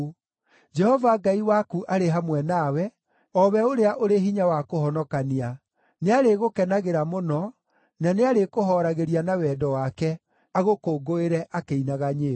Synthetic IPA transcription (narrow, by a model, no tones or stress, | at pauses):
d͡ʒɛhɔvaɡaiwakuʔaɾeɦamwɛnawɛ | ɔβɛoɾeaʔoɾeɦiɲawakohɔnɔkania | neaɾeɣokɛnaɣeɾamonɔ | naneaɾekoɦɔɾaɣeɾianawɛdɔwakɛ | aɣokoːɡoeɾɛʔakeinaɣaɲeː